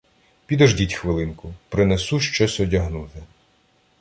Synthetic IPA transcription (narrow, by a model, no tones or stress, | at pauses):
pʲid̪ɔʒdʲitʲxʋɪlˠɪnkʊpɾɪnesuʃt͡ʃɔsʲɔdʲɐɦnut̪ɪ